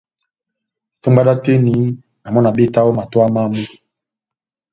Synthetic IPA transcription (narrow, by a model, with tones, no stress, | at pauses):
to˦mba˦da˦te˦ni˨˦ | na˨mɔ˦na˨be˦ta˦wo˦ma˨to˦a˦ma˦mu˦˨